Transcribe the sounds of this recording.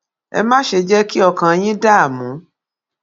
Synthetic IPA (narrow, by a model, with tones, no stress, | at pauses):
ɛ̰˧mãː˦ʃe˧d͡ʒɛ˦ki˦ɔ˧kã˧j̃ĩ˦da˦a˦˨mũ˨˦